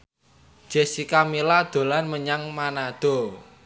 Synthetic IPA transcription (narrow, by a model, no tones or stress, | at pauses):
ʒ̥e̤sikamilad̪̥o̤lanməɲaŋmanad̪̥o̤